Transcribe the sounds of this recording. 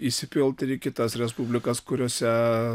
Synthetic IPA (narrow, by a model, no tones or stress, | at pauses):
isʲɪpʲɪlˠt̪ikʲɪt̪ɐsɾʲɛspubʲlʲɪkɐskʊɾʲoːsʲɛ